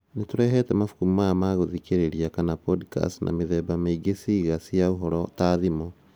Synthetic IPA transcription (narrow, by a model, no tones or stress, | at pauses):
netoɾɛɦɛtɛmafu̥kumumaamaɣoðikeɾeɾiakanapɔdka̰snʔa̰meðɛbameiɡesiɣasiauɦɔɾɔtaðimɔ